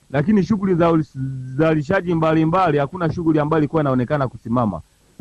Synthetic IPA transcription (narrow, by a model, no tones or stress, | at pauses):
lakiniʃ̬uɡulizazaliʃ̬aʄimbalimbalihakunaʃuɡuliambajɔlikuwainaɔnɛkanakusimama̰